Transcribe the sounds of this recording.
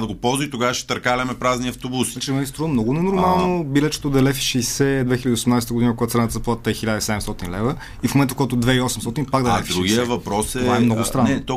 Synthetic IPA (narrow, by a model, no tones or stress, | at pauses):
d̪ɐɡopɔlˠzit̪oɡavʃɛ̥t̪ɐɾkalʲɐmɛpɾazniɐft̪obusat͡ʃimɛɡʲist̪ɾɔnmnɔɡʊnɛnoɾmalˠnobilɛt͡ʃɛ̥t̪od̪ɐlɛfi̥ʃɛjsɛd̪vɛxiləd̪iosɛmnajst̪əɡod̪inəpkoɡat̪sɛnət̪əzɐplˠat̪ət̪ɛxilʲad̪əisɛd̪ɛmst̪ɔt̪inlɛvə | ifmomɛnt̪əfkjt̪od̪vɛiɔsɛmst̪ɔt̪inpaɡd̪ɐɛfd̪ɾuɡʲiəvɐpɾɔsɛovaɛmnɔɡʊst̪ɾannɛt̪o